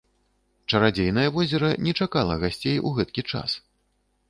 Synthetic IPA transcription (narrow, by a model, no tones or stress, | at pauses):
t͡ʂɐɾad͡zʲejn̪ɐjɐvɔzʲɛɾɐnʲɛt͡ʂakalˠɐɣasʲt͡sʲejṵɣɛt̪kʲit͡ʂa̰s